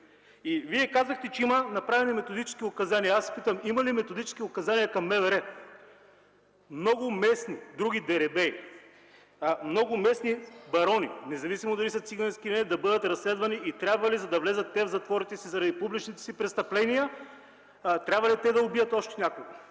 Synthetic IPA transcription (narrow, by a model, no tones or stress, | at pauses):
iviɛkazvɐxt̪ɛt͡ʃɛimɐnɐpɾavɛnimɛt̪od̪it͡ʃɛ̥skʲiʊkɐzanijɐasɛ̥pit̪əmimɐlimɛt̪od̪it͡ʃɛ̥skʲiʊkɐzanijɐkɐmːɛvɛɾɛ | mnɔɡʊmɛsnid̪ɾuɡʲid̪ɛɾɛbɛi | mnɔɡʊmɛsnibɐɾɔninɛzɐvisimod̪ɐlisɐt̪siɡɐnɛskilɛnɛd̪ɐbɤd̪ət̪ɾɐslɛd̪vɐniʔit̪ɾʲabvɐlizɐd̪ɐvlɛzət̪ːɛvzɐt̪vɔɾit̪ɛsizɐɾɐd̪ipublit͡ʃnit̪ɛ̥sipɾɛst̪ɐplɛnijə | t̪ɾʲabvɐlit̪ɛd̪ɐobijət̪ɔʃt̪ɛ̥nʲakʊɡə